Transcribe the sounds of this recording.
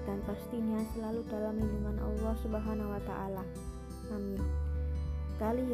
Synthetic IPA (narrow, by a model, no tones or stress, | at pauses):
danpast̪iɲasəlaludalamːəɲd͡ʒumanʔɑ̰lːɑhsubaɦanawat̪a̰ʔala | ʔamin | kali